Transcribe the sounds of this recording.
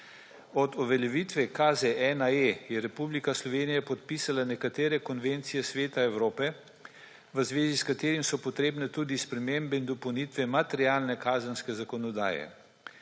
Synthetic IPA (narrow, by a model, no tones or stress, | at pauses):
ɔd̪ɔʋɛljɛʋiːt̪ʋɛkazɛʔɛnaejɛɾɛpublikaslɔʋeːnijapɔt̪pisalanɛkat̪eːɾɛkɔnʋent̪sijɛsʋeːt̪aɛwɾoːpɛ | ʋəzʋeːziskat̪eːɾimsɔpɔt̪ɾeːbnɛt̪uːd̪ispɾɛmembɛind̪ɔpɔwnit̪ʋɛmat̪ɛɾjaːlnɛkaːzənskɛzakɔnɔd̪a̰ːjɛ̰